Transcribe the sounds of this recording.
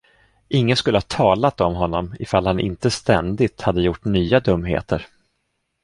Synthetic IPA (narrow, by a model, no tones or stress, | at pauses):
ʔɪŋːənskɵlːəhɑːt̪ʰɑːlat̪ɔmɦɔnːɔmɪfalhanʔɪ̰nt̪əst̪ɛ̰nd̪ɪt̪had̪ːəjʊʈːnyːad̪ɵmːɦḛːt̪əɾ